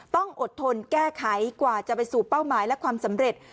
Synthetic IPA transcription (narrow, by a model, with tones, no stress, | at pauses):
t̪ɔ˥˩ŋʔo˨˩t̪ʰːo˧nkɛː˥˩kʰa˩˦jkwaː˨˩t͡ɕa˨˩pa˧jsuː˨˩pa˥˩wmaː˨˦jlɛ˦˥kʰwaː˧msa˩˦mɾe˨˩t̪̚